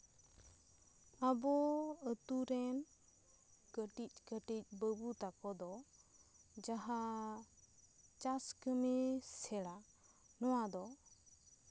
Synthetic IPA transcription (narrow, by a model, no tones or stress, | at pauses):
abɔət̪uɾɛn | kəʈic̚ˀkəʈic̚ˀbəbut̪akɔd̪ɔ | d͡ʒaɦa | t͡ʃaskəmisɛla | nɔwad̪ɔ